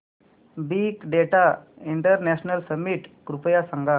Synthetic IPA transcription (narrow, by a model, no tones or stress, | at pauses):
bikɖeʈa | iɳʈəɾneɕnəlsəmːiʈkɾupəjasaŋɡa